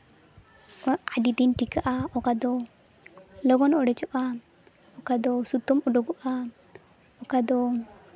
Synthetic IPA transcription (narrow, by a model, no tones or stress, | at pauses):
aɖid̪inʈikaʔaɔkad̪ɔ | lɔɡɔnɔɽɛt͡ʃɔʔa | ɔkad̪ɔsut̪ɔmɔɖɔɡɔʔa | ɔkad̪ɔ